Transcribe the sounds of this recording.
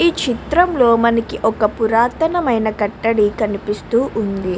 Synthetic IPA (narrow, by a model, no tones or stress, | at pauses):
iːt͡ʃit̪ɾɐmlo̞ːmɐnɐkiʔɔkɐpuɾaːt̪ɐnɐmɐjnɐkɐʈːɐɽikɐnipist̪uːʔund̪i